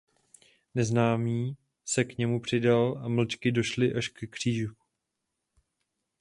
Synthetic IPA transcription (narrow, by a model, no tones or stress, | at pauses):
nɛznaːmiː | sɛkɲɛmupr̝̥ɪdalʔaml̩t͡ʃkɪdo̞ʃlɪʔaʃkɛkr̝̥iːʒu